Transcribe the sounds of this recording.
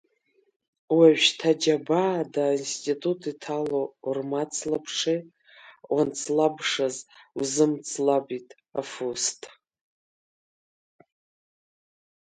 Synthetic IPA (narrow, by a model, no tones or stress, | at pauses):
waɥʃtʰad͡ʒabadainstʼitʼutʰitʰalormat͡sʰlapʰʂi | want͡sʰlabʂazwuzɨmt͡sʰʼlabitʼ | afustʰʼ